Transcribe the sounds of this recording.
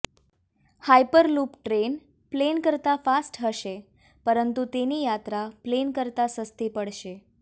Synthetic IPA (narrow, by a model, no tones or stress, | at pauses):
hajpəɾlupʈɾen | plenkəɾt̪afasʈɦəʃe | pəɾənt̪ut̪enijat̪ɾaplenkəɾt̪asəst̪epəɽʃe